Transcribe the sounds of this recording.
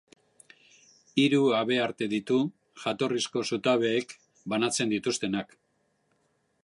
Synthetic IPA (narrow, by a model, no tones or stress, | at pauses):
iɾuaβe̞aɾt̪e̞ðit̪u | ʝat̪o̞risko̞sut̪aβ̞e̞ːk | banat͡se̞nd̪it̪ust̪e̞nak